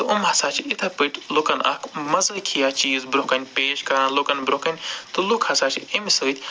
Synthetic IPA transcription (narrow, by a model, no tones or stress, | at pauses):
t̪ɨʔumɦɐsaːt͡ʃʰiit̪ʰɐpɨʈʰʲlukɐnɐ̰kmɐzɐkʰijat͡ʃiːzbɾokɐnʲpeːʃkɐɾãnlukɐnbɾokɐnʲt̪ɨlukʰhɐsaːt͡ʃʰḭimisɨːt̪ʰʲ